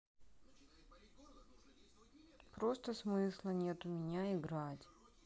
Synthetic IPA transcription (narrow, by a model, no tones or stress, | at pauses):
pɾost̪əsmɨslˠənʲe̞t̪ʊmʲɪnʲaɪɡɾatʲ